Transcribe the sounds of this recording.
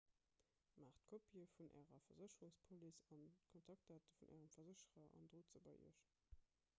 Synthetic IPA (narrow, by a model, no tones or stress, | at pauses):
maːχt̚kʰopʰiəfunʔæ̰ːʁɐfɐzəɕəʁuŋspʰolisɑnkʰontʰɑk̚tʰaːtəfunʔæ̰ːʁəmfɐzəɕəʁɐʔɑ̰ndʁoːt͡səbɑɪʔḭəʃ